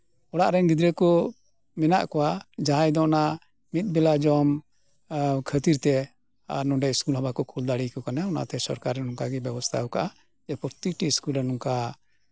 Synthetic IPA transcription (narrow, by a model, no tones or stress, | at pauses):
ɔɽaʔɾɛnɡid̪ɾɛkɔ | mɛnaʔkɔwad͡ʒaɦãjd̪ɔna | mit̪̚bɛlad͡ʒɔm | kʰət̪iɾt̪ɛ | a̰ɾnɔɖɛskulɦabakɔkʰuld̪aɽikɔkanaɔna̰t̪ɛsɔ̰ɾkaɾːɛnɔŋkaɡɛbɛbɔst̪ʰa̰ɔkaʔa | d͡ʒɛpɔɾt̪ik̚ʈiskulɾɛnɔŋka